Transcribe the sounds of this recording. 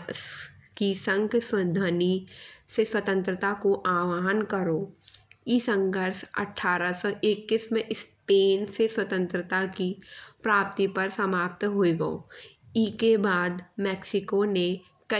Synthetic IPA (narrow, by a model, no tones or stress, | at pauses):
s | kisə̃ŋɡsəd̪ʱəniseswət̪ə̃nt̪ɾət̪akoʔaːwaːɦənkəɾoːisə̃ŋɡʱəɾsɐ̰ʈʰːaːɾəsɔʔɪkːɪsmẽʔspeːnseswət̪ə̃nt̪ɾət̪akipɾaːp̚t̪ipɐɾsɐmaːp̚t̪ɦoeɡɐo̰ː | ikebaːd̪mɛːksɪkone | kɐ